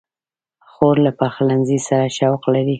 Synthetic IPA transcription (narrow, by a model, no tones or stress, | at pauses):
xoɾlapaxlanzisaɾaʃawqlaɾi